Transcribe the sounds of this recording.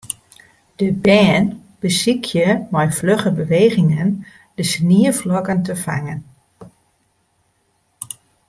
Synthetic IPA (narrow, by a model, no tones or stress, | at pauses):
d̥əbɛːn | b̥əsikʰjəmɔjfløχəbəʋeːɣɪŋən | d̥əsniəflɔkəntəfa̰ŋən